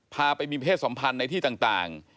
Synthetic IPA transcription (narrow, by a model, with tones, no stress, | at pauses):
pʰaː˧pa˧jmiː˧pa˧eː˥˩t̪̚so˩˦mpʰa˧nːa˧jt̪ʰiː˥˩t̪aː˨˩t̪a̰ː˨˩ŋ